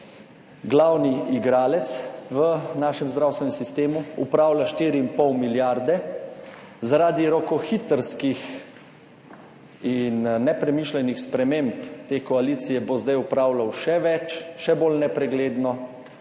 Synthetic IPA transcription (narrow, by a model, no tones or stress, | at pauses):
ɡlawniiɡɾaːlɛt̪sʋənaːʃɛmzd̪ɾawst̪ʋɛnɛmsist̪eːmuṵpɾaːwlaʃt̪iːɾiimpɔwmiljaɾd̪ɛ | zaɾaːd̪iɾɔkɔxit̪əɾskix | inːɛpɾɛmiːʃlɛnixspɾɛmempt̪eːkɔaliːt̪sijɛbozd̪ajupɾaːwlawʃɛʋɛt͡ʃʃɛbolnɛpɾɛɡleːd̪nɔ